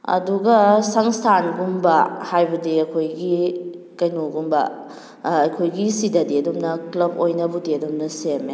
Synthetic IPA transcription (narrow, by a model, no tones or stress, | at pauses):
ɐ̰duɡɐsɐŋstʰanɡumbɐhajbudiɐkʰojɡi | kɐjnoɡumbɐː | jkʰojɡisidɐdiɐdumnɐklɐbojnɐbudiɐdumnɐseme